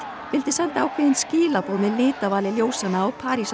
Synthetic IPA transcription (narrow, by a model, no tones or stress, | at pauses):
fɪlt̪ɪsɛnt̪aːwkʰvɛːðɪnsciːlapoːðmɪlɪːt̪avaːlɪljoːwsanaːwpʰaːɾis